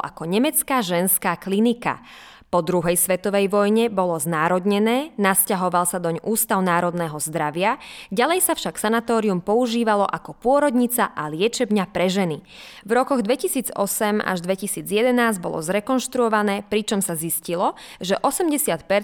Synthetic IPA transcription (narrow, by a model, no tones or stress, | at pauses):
ʔa̰kɔɲɛmɛt͡skaːʒɛnskaːklinika̰ | pɔd̪ɾuɦɛjsʋɛt̪ɔʋɛjʋɔjɲɛbɔlɔznaːɾɔd̪ɲɛnɛːnascaɦɔʋalsad̪ɔɲuːst̪aʊnaːɾɔd̪nɛːɦɔzd̪ɾaʋɪaɟalɛjsafʃaksanat̪ɔːɾiumpɔuʒiːʋalɔʔakɔpʊɔɾɔd̪ɲit͡saʔalɪɛt͡ʃɛbɲapɾɛʒɛni | vɾɔkɔɣd̪ʋɛcisiːd͡zɔsɛma̰ʒd̪ʋɛcisiːd͡zjɛd̪ɛnaːzɟbɔ̰lɔ̰zɾɛkɔnʃt̪ɾuɔʋanɛːpɾit͡ʃɔmsaziscilɔʒɛʔɔsɛmɟɛsɪat̪pɛɾ